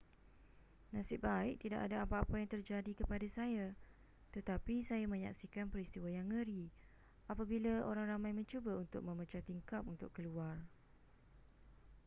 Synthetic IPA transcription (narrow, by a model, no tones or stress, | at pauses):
nãsɪbaɪʔ̚t̪ida̰ʔadaapaːpajaŋt̪ərd͡ʒadikəpadasaja | t̪ət̪apisajamə̃ɲaksikanpəɾist̪iwajaŋːəɾi | apabilao̰ɾaŋramãjmə̃ɲt͡ʃubaunt̪ʊ̰k̚mə̃mət͡ʃat̪iŋkap̚unt̪ʊkːəluar